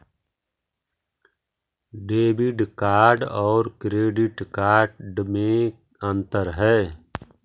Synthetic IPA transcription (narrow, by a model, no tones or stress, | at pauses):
ɖeːbɪɖkaːɾɖɔːɾkɾeːɖɪʈkaːɾɖmẽ | ə̃nt̪əɾɦɛː